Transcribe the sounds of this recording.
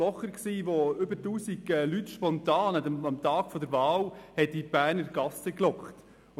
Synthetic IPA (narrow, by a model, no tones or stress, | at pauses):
ɔχəɾksiːʋoʏbətuːsiɡɛlytʃpɔntɑːnɛɑmt̪ɑːɡ̥fɔd̪əɾvɑːlhɛtib̥æːrnəɾɡɑsəklɔkχt